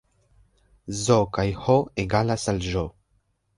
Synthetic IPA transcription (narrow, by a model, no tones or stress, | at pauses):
zokajhoeɡalasalʒo